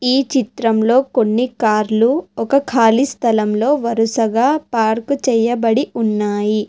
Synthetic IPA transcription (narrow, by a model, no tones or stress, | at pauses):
iːt͡ʃit̪ɾɐmlo̞ːko̞nːikaːɾluɔkɐkʰaːlist̪ʰɐlɐmlo̞ːʋɐɾusɐɡaːpaːɾkut͡ʃɛjɐbɐɽiunːaːji